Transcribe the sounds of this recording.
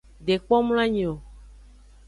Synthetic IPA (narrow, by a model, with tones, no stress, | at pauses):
ɖe˨k͡pɔ˦m˦l̃ã˦ɲĩ˨o˨